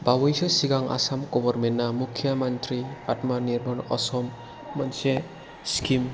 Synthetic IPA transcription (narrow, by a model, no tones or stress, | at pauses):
bawɔjsɔsiɡaŋa̰samɡɔbɔɾmenːamukʰːjamantɾiatmaniɾbɔnɔ̰sɔmː | ɔnse | skim